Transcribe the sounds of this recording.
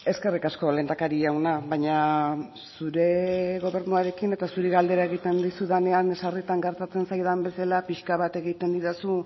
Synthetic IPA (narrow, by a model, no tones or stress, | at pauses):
e̞ske̞rikasko̞le̞nd̪akaɾiawnaβaɲa | suɾe̞ɣo̞βe̞ɾnuaɾe̞kine̞t̪asuɾeɣald̪e̞ɾae̞ɣit̪e̞nd̪isuðane̞aŋesarit̪aŋɡe̞ɾt̪at͡se̞nsajðambe̞salapiʃkaβ̞at̪e̞ɣit̪e̞nd̪iɾasu